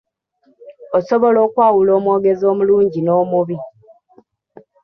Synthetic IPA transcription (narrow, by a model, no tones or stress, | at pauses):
osoβo̞lo̞ːkwaːwulo̞ːmwo̞ːɡe̞zo̞ːmuluːɲɟino̞ːmuβi